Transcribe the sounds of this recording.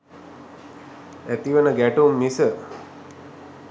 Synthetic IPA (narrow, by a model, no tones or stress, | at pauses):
æt̪iʋənəɡæʈumːisə